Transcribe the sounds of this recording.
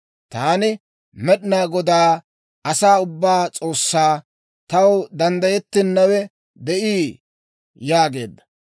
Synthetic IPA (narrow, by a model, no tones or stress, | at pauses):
t̪aːnɪ | mɛɗɪnaːɡɔd̪aː | ɐsaːʊbːaːt͡sʼo̞ːsːaː | t̪ɐwd̪ɐnd̪ɐjɛt̪ːɪnːɐwɛ | d̪ɛʔiː | jaːɡe̞̰ːd̪ːɐ